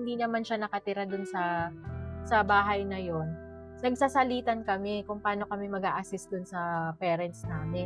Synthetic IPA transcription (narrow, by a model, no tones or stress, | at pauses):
ɪnd̪iːnɐmanʃanɐkɐt̪ɪɾad̪ʊnsɐ | sɐbaːɦɐjnɐjo̞n | nɐɡ̚saːsɐliːt̪ɐnkɐmɛkʊŋpɐaːno̞kɐmɛmɐɡaːʔɐsɪst̪̚d̪ʊnsɐpɛːɾɛnt̪snaːmɪn